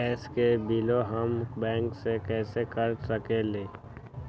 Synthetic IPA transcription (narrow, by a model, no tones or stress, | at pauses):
ɛːskebiloɦəmbɛ̃ːŋksekɛːsekəɾsəkeleː